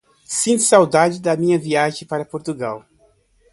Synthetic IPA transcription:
sĩnt̪ʊ̥sawd̪ad͡ʒɪd̪ɐmĩɲɐviaʒẽpaɾɐpoɾt̪uɡaw

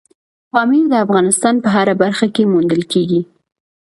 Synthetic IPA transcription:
fɑmid̪əafɣɑnɪst̪ɑnpəɦaɾabaɾxakemund̪əlkeɡi

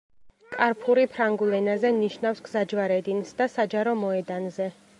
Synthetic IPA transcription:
kʼaɾpʰuɾipʰɾaŋɡulɛnazɛniʃnafsɡzad͡ʒvaɾɛd̪insd̪asad͡ʒaɾɔmɔɛd̪anzɛ

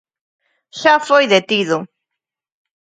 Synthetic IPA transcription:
ʃafojðet̪iðʊ

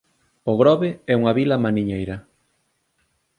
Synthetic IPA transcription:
ʊɣɾɔβeɛuŋɐβilɐmaniɲejɾɐ

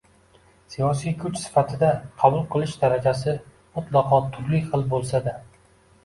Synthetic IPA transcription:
sijɒsijkʰʊt͡ʃsɪ̥fat̪ʰɪd̪aqʰɑbʊlˠqʰɨlˠɪʃd̪aɾad͡ʒasɪ | mʊt̪ʰlˠɑqʰɒt̪ʰʊɾlɪχɨlˠbolˠsad̪a

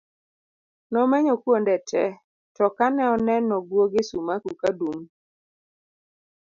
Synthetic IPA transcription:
nɔmɛɲɔkwondɛtɛ̰ | tɔkanɛɔnɛnːɔɡwoɡɪsumakukadum

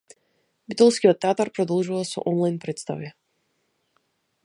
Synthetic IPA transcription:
bit̪ɔlˠskiɔt̪ːɛaːt̪aɾpɾɔd̪ɔlˠʒuvasɔ̰ʔɔnlˠajnpɾɛt̪st̪a̰viɛ

